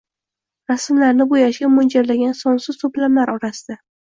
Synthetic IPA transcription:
ɾasmlaɾnɪbʊjaʃɡʲamʊnd͡ʒaɾlaɡʲansɒnsɪzt̪ʊplamlaɾɒɾasɪd̪̥a

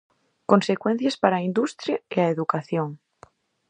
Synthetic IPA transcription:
konsekwen̟θjespaɾaind̪ust̪ɾjaeaeðukaθjoŋ

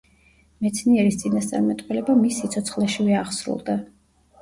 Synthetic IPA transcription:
mɛt̪sʰniɛɾist̪sʼinast̪sʼa̰ɾmɛt̪ʼqʼwɛlɛbamisːit̪sʰɔt̪sʰχlɛʃivɛaʁsɾṵlˠd̪a

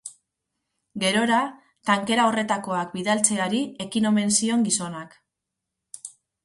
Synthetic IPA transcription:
ɡe̞ɾo̞ɾa | t̪aŋke̞ɾao̞re̞t̪ako̞akbiðalt͡se̞aɾie̞kino̞me̞nsio̞ŋɡiso̞nak

